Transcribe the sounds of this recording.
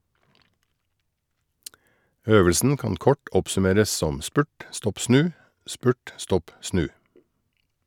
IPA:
ˈøːʋəlsn̩ ˈkɑːn ˈkɔʈ ˈɔpsʉˌmeːɾəs ˈsɔm ˈspʉʈ ˈstɔp ˈsnʉː ˈspʉːʈ ˈstɔp ˈsnʉː

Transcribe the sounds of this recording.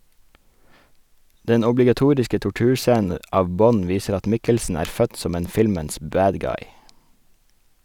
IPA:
ˈdɛn ɔblɪɡɑˈtuːɾɪskə tʊˈʈʉːɾˌsæːnə ˈɑːʋ ˈbɔn ˈʋiːsəɾ ˈɑt ˈmɪkəlsn̩ ˈæːɾ ˈfœt ˈsɔm ˈeːn ˈfɪlməns ˈbæːd ˈɡɑɪ

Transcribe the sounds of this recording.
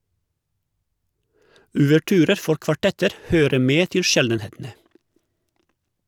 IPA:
oːʋəˈʈyːɾəɾ ˈfɔɾ kʋɑˈʈɛtəɾ ˈhøːɾə ˈmeː ˈtɪl ˈʃɛldənˌheːtn̩ə

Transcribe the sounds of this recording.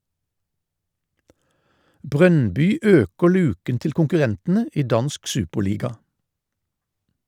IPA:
ˈbʁœnbʏ ˈøːkəʁ ˈlʉːkən ˈtɪl kʊŋkʉˈʁɛntn̩ə ˈiː ˈdɑnsk ˈsʉːpəʁˌliːɡɑ

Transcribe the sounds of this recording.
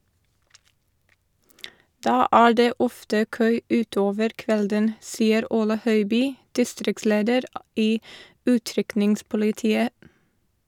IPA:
ˈdɑː ˈæːɹ ˈdeː ˈɔftə ˈkøː ˈʉːˌtoːʋəɾ ˈkʋɛldən ˈsiːəɾ ˈuːlə ˈhœʏˌbyː ˈdɪstɾɪkˌsleːdəɾ ˈiː ˈʉːˌtɾʏknɪŋspʊlɪˌtiːə

